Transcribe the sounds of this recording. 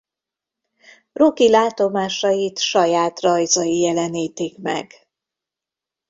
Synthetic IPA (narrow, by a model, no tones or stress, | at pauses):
rokilaːt̪o̞maːʃɒjit̪ʃɒjaːt̪rɒjzɒjijɛlɛniːt̪ikmɛ̰ɡ